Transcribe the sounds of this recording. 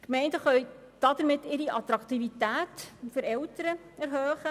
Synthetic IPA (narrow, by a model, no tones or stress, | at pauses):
kmɛɪndəχœɥ | d̥ɑd̥̪əɾmɪtːɪɾiʔɑt̪ɾɑkt̪ivitæːtfʏɾɛltəɾə | ɛɾɦœːχə